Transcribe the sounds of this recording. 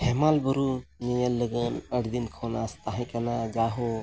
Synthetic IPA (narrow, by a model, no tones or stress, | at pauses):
hemalbuɾunijəlːəɡənəʈʰd̪inkʰoːnast̪aɦĩkɐnad͡ʒaːɦo